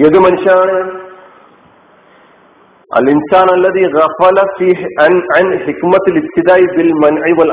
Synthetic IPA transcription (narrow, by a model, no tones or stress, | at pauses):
eðɨmɐnuʂjɐnaːɳɨ | ʔɐ̰lɪnsaːnɐlːɐðiːɣɐfɐlɐfiːnʕanħɪkmɐt̪ɐlɪb̚t̪ɪd̪aːʔibɪlmɐnʕiʋɐl